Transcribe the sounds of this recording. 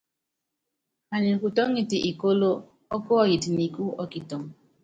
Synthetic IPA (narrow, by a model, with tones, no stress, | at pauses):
a˨ɲi˨ku˨tɔ˦ŋ˦i˨ti˨ʔi˨ko˦lo˦ | ɔ˦ko˦ɔ˦ji˨ti˨ni˨ku˦ɔ˦ki˨to˨ŋ